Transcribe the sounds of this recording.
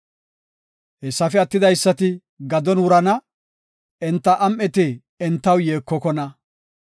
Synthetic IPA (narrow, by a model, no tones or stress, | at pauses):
ɛsːɐfɛɐt̪ːɪd̪ɐjsːɐt̪ɪ | ɡɐd̪ɔnwʊɾɐnɐ | ɛnt̪ːɐʔɐmʔɛt̪ɪ | ɛnt̪ːɐwjeːkːɔkɔnɐ